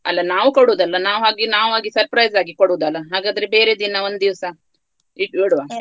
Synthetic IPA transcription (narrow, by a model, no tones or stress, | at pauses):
ɐlːɐnaːʋukoɽuːd̪ɐlːɐnaːʋɦaːɡinaːʋɦaːɡisɐɾpɾɐjzaːɡikoɽuːd̪ɐlːɐɦaːɡaːd̪ɐɾebeːɾed̪inɐond̪d̪iʋsɐ | iiɽʋaː